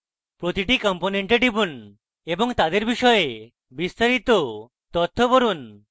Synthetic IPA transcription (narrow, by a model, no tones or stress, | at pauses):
pɾot̪iʈikɔmponeɳʈeɖibun | eboŋt̪ad̪eɾbiʃɔee | bist̪aɾit̪o | t̪ɔt̪ʰːopoɾun